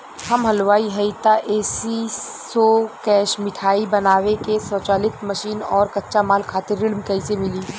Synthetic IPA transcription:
hɐmɦɐlʋaːiɦɐit̪aʔeːsisokɛːʃmɪʈʰaːibɐnaːʋekesət͡ʃaːlɪt̪mɐʃiːnɔːɾkɐtːʃamaːlkʰaːt̪ɪɾːɪlmkɐɪsemɪliː

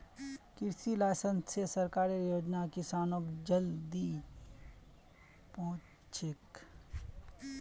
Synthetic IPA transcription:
kɪɾsilaːjsənssesɐɾkaːɾijoːd͡ʒnakɪsaːnoːkd͡ʒɐld̪i | poː | t͡ʃʰɪk

